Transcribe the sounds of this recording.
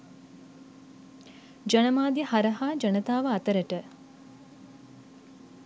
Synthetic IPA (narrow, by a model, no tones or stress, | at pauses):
d͡ʒənəmaːd̪jəhaɾɐɦaːd͡ʒənət̪aːʋəat̪əɾəʈə